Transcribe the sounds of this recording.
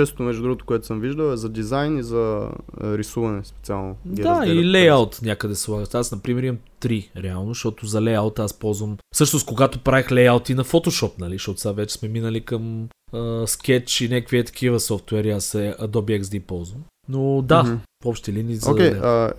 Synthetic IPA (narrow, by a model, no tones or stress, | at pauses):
t͡ʃɛst̪ot̪omɛʒd̪ud̪ɾuɡoʊt̪ʊ̥kʊɛt̪ʊsəmviʒd̪əlˠɛzɐd̪izajnizɐ̰ | ɾisuvɐnɛspɛ̥t̪sialˠnoɛd̪ailɛjalˠt̪nʲakəd̪ɛsɛlˠaɡəʃt̪asnɐpɾimɛɾimɐmt̪ɾiɾɛalˠnoʃt̪ɔt̪ʊzɐlɛjalˠt̪aspɔlˠzvəmfsɤʃnoskoɡat̪opɾavixlɛjalˠt̪inɐfot̪oʃɔpnɐliʃt̪ɔt̪ʊ̥savɛt͡ʃɛ̥smɛminəlikəməsk̟ɛt͡ʃinʲakviɛt̪ɐ̥k̟ivəsɔft̪wɛɾiasɛd̪obiɛksd̪ipɔlˠzvəm | nod̪aɔpʃt̪ɛlinizzo̰kɛə